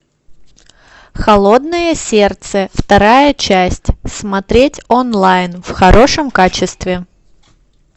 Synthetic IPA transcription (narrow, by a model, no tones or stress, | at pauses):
xɐlˠo̞d̪nɨjəsʲert̪səft̪ɐɾajət͡ɕæsʲtʲsmɐt̪ɾʲetʲonlˠajnfxɐɾʔo̞ʂəmkat͡ɕɪst̪vʲɪ